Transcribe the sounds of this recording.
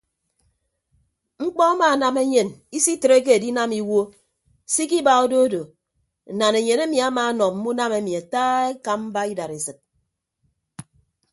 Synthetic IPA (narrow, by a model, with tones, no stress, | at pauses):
ŋ͡m̩˦k͡pɔ˦a˦maː˨na˨me˦ɲe˨ni˦si˦tɾe˦k̬e˦e˨di˦na˦mi˦wo˦ | si˦k̬i˦ba˨o˦do˦do˨ | na˨ne˨ɲe˨ne˦mi˨a˦maː˨˦nɔ˨m̩˦mu˦na˦me˦mi˨a˨taː˦e˦ka˦m̩˦ba˦i˦da˨ɾe˨sɨ˨t̚